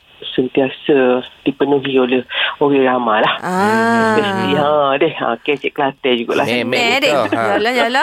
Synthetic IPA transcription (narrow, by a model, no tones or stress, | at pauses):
sənt̪iasəd̥ipənuɦiolehoɾɛɾamalahaɛst̪iə̃dɛhə̰̃kɛt͡ʃɛʔ̚kəlat̪ɛd͡ʒuɡa̰ʔla̰mdall